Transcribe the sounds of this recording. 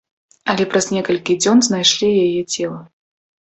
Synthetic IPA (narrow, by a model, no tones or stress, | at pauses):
ɐlʲɛpɾɐznʲɛkɐlʲkʲid͡zʲɔnznajʂlʲijajɛt͡sʲɛlˠɐ